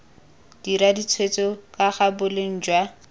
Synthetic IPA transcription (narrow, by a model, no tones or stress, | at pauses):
d̥iɾadit͡sʰwet͡sɔkaχabʊleŋ̩ːd͡ʒwa